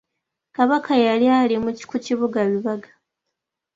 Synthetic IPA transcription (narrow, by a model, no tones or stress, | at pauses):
kaβakʰajalialimuci̥kuciβuɡaβiβaɡḁ